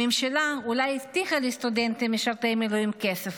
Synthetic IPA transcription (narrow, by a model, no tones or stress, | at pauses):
emʃalaulajist̪iχalest̪ud̪ent̪imeʃaʁt̪emeluimkesef